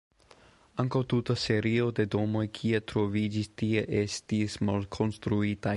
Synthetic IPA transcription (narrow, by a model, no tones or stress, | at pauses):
aŋkawt̪ut̪aseɾio̞d̪e̞d̪o̞mo̞jkʰiet̪ɾo̞vid͡ʒist̪ieʔestismalkʰo̞nst̪ɾuit̪a